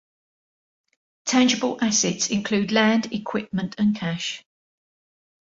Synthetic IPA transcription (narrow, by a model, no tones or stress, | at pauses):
tʰãnd͡ʒɪbəlʔasɪtsɪ̃nkʰl̥ʉːdlãndɪkʰw̥ɪp̚mə̃ntʰə̃nkʰaʃ